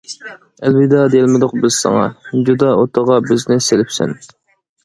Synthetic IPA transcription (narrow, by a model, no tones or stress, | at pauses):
ælwɪd̪ɑd̪ejlmɪd̪ʊq̚bɪz̥sɑ̰ŋɑ̰d͡ʒud̪ɑot̪ʰəʁɑbɪznɪselɪpsɪ̰n